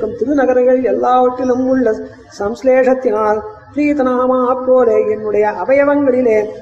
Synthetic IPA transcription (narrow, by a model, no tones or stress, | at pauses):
ɯmt̪ɪɾɯnɐɣɐɾɐɪɣɐɭɪɛlːaːʋɐʈrɪlɯmʊɭːɐ | sɐmsleːʂɐt̪ːɪnaːlpɾiːt̪ɐnaːmaːɦɐpːoːleːɛnːɯɽɐjɐʔɐbɐjɐʋɐŋɡɐɭɪleː